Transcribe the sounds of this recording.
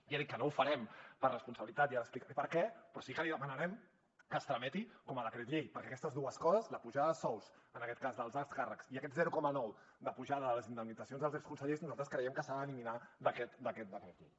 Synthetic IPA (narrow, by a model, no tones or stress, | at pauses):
jaðit̚kːənoufəɾɛmpərəspunsəβilit̪at̪jaɾəsplikaɾɛpəɾkɛpɾɔsikəliðəmənəɾɛm | kəst̪ɾəmɛt̪ikɔməðəkɾɛt̪ʎejpəɾkɛːkɛst̪əzðuəskɔzəzləpuʒaðəsɔwz | ənəkɛt̪̚kazðəlˠzakskarəksiəkɛt̪zɛɾukɔmənɔw | d̪əpuʒaðəðələzind̪əmnidd͡zəsionzðəlˠzɛkskunsəʎeznuzalˠt̪ɾəskɾəjɛmkəsaðəːliminad̪əkɛt̪d̪əkɛt̪̚d̪əkɾɛt̪ʎḛj